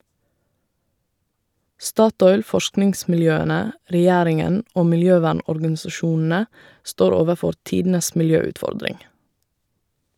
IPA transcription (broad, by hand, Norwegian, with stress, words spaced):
ˈstɑːˌtɔʏl ˈfɔʃknɪŋsmɪlˌjøːənə ɾɛˈjæːɾɪŋən ˈoː mɪlˈjøːˌʋæːɳɔɾɡɑnsɑˌʃuːnn̩ə ˈstoːɾ ˈoːʋəˌfɔɾ ˈtiːdn̩əs mɪlˈjøːʉtˌfɔɾdɾɪŋ